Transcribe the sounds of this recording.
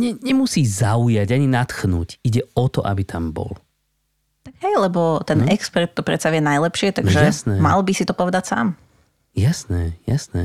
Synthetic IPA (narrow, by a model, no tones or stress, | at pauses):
ɲɛɲɛmusiːzaujaɟaɲinat̪xnuːɟiɟɛɔt̪ɔ̰ʔa̰bit̪ʰambɔ̰l | t̪aɡɦɛjlɛbɔt̪ɛnɛkspɛɾt̪ːɔpɾɛt̪saʋɪɛnajlɛpʃɪɛt̪aɡʒɛasnɛma̰lbisit̪ɔpɔʋɛd̪acsa̰ːm | jasnɛja̰snɛ